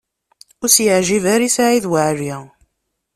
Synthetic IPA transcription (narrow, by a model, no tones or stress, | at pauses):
ʊsjəʕʒivæɾisaʕiðwaʕɾi